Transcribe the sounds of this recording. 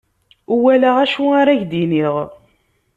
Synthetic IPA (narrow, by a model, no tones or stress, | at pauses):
uwælaʁæʃuaɾaʝd̪iniʁ